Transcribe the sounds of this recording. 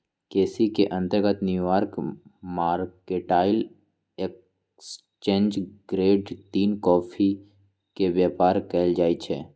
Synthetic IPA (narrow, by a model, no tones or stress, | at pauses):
keːsikeʔə̃nt̪əɾɡət̪njuʋaːɾkmaːɾkeʈaːɪl | ek | s | t͡ʃẽːnd͡ʒɡ̥ɾeːɖt̪iːnkɔːpʰi | keʋjaːpaːɾkəɪld͡ʒaːit͡ʃʰeː